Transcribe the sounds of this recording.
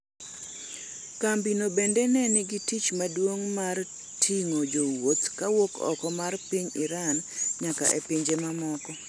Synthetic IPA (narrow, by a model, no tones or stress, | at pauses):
kambinobendenɛnɪɡitit͡ʃmadwoŋmar | tʰiŋod͡ʒowot̪kawokɔ̰kɔmarpiɲiɾanɲaka̰ʔepiɲd͡ʒemamɔkɔ